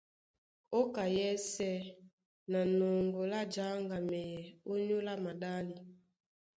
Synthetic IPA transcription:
o˦ka˨jɛ˦sɛ˦ | na˨no˨ŋɡo˨la˦d͡ʒa˨˦ŋɡa˨mɛ˨jɛ˨o˦ɲu˦la˦ma˨da˦li˨

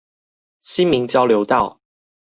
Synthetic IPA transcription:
ɕi˦nmi˨˦ŋt͡ɕjɑ˥˦ʊljo˨˦ʊt̪ɑ˥˨ʊ

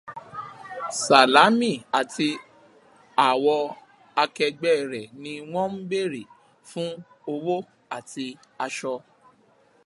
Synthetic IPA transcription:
sa˨la˨˦mĩ˦˨a˨tʰi˧ | a˨wɔ˧ | a˧kɛ˧ɡ͡bɛ˦˨ɾɛ˨nĩ˧w̃ɔ̃˦m̩˦be˦˨ɾi˨ | fũ˦ | o˧wo˦ | a˨ti˧ | a˧ʃɔ˧

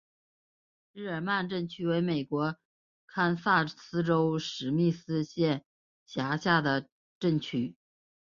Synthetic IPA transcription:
ɻ̩˥˩ə˞˨˩ma˥˧nʈ͡ʂə˥˩ŋt͡ɕʰy˥˩we˧˥ɪme˨˩ɪkwɔ˧˥ | kʰa˥nsa˥˩sɹ̩˥ʈ͡ʂo˥ʊʂɻ̩˧˥mi˥˩sɹ̩˥ɕjɛ˥˩n | ɕja˧˥ɕja˥˩d̪ə˩ | ʈ͡ʂə˥˩ŋt͡ɕʰy˥˩

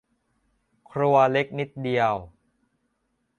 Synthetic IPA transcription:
kʰɾu˧ɐle˦˥k̚ni˦˥t̪̚di˧əw

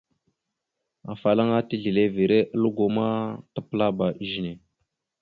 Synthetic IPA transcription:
a̰˨fa˨la˦ŋa˦ti˦ɮi˨le˦vi˨ɾe˦ʔə˦lu˦ɡo˨ma˦tə˦pə˦la˦ba˨˦ʒi˨ne˨

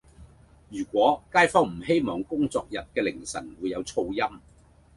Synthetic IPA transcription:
jyː˨˩kʷɔː˨˥kaː˥jfɔː˥ŋm̩˨˩he˥jmɔː˨˩ŋkʊ˥ŋt͡sɔː˧k̚jɐ˨t̚kɛː˧lɪ˨˩ŋsɐ̰˨˩nwuː˨˧jːɐ˨˧wt͡sʰo˧wjɐ˥m

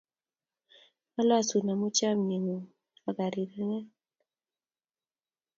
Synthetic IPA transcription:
a˦lwa˦su˨na˨mu˦t͡ʃa˦mni˨ŋu˨ | a˨ɡa˨ɾi˨ɾa˦ŋɛ˦

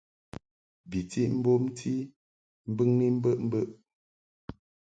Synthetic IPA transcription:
bi˨ti˦ʔm̩˦bo˦m˦tʰi˦ | m̩˦bɨ˦ŋni˦m̩˦bə˦˨ʔm̩˦bə˦ʔ

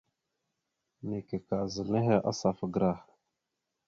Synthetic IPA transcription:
ne˨ke˨ka˨zə˨lne˦ɦe˨ʔa̰˦sa˨fə˨ɡɾa˦˨

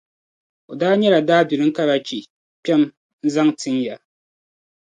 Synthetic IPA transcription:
o˨daː˦ɲɛ˦la˨daː˦bi˨ɾɨ˦ŋ̩˦ka˦ɾa˨t͡ʃi˨ | pʲɛ˦m | n̩˦za˦ŋtɨ˦ŋja˨

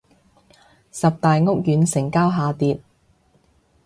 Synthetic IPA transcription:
sɐ˨p̚t̪aː˨jŋʊ˥k̚jyː˨˧˥nsɪ˨˩ŋkaː˥wɦaː˨˧t̪iː˧t̚

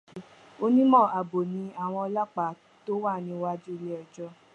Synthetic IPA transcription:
o˧nĩ˦mɔ̃˦˨a˨bo˨nĩ˧˦a˨w̃ɔ̃˧ɔ˧la˦˨k͡pa˨˦ | to˦wa˦˨nĩ˧˦˧wa˦d͡ʒu˦˧le˦ɛ˧d͡ʒɔ˧

